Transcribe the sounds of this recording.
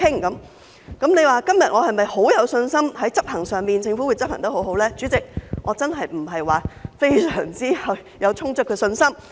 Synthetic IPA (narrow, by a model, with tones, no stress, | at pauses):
ɪ˥ŋkɐ˨˥m | kɐ˨˥mne˨˧jwaː˨˩kɐ˥mjɐ̰˨t̚ŋɔː˨˧hɐ˨jmɐ˨jho˨˥wjɐ˨˧wsɵ˧nsɐ˥mhɐ˨˥jt͡sɐ˥p̚hɐ˨˩ŋsœː˨˩ŋmiː˨nt͡sʰɪ˧ŋfu˨˥wuː˨˧jt͡sɐ˥p̚hɐ˨˩t̪ɐ˥ho˨˥wɦo˨˥wlɛː˥t͡syː˨˥t͡sɪ˨k̚ŋʔɔː˨˧t͡sɐ˥nɦɐ˨jm̩˨˩ɦɐ˨jwaː˨˩fe˥jsœː˨˩ŋt͡siː˥hɐ˨˩w | jɐ˨˧wt͡sʰʊ˥ŋt͡sɵ˥kʰːsɵ˧nsɐ˥m